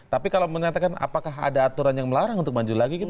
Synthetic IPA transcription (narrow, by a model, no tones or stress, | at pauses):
t̪apikalawməɲat̪akana̰pakaɦa̰daːt̪uɾanjaŋməlaɾaŋunt̪ʊkmaɲd͡ʒulaɡikit̪